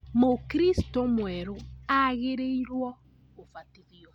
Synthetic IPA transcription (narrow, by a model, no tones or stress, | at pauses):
mokɾist̪omwɛɾoaɣeɾejɾwɔ | ofatiðiɔ